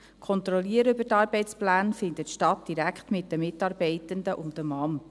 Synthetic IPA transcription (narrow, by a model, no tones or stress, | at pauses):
kʰɔnt̪ɾɔliəɾəʏbətɑːɾbɛɪt͡splæːnfɪndətʃtɑtd̥iɾækχtmɪtdəmɪtːɑːɾbɛɪtənd̪əʔʊndəmɑm